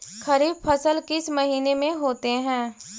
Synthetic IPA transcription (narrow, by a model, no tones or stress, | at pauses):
kʰəɾiːb̚pʰəsəlkɪsmɐɦiːnemẽɦoːt̪eɦɛ̃ː